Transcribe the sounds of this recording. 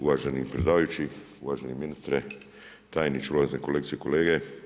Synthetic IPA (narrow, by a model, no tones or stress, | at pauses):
uʋaːʒanipɾed̪aːʋajut͡ʃi | uʋaːʒaniminist̪ɾɛ | t̪aːjnit͡ʃuloːit̪nɛkoleːk̚t̪sijɛkoleːɡɛ